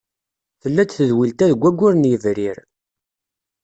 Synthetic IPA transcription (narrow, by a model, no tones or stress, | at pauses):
θəlːæt͡sːθəðwilt̪æðəɡʷːæɡʷːʊɾnjəvɾiɾ